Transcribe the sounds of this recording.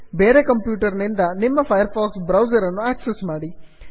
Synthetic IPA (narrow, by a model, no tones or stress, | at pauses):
beːɾekɐmpjuːʈɐɾɐnind̪ɐnimːɐpʰɐjɐɾfaːksbɾɐwsɐɾɐnːuaːksesmaːɽi